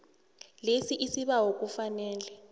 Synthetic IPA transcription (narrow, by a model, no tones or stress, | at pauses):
lesiʔisiɓaɦok̬ʼufanɛːlɛ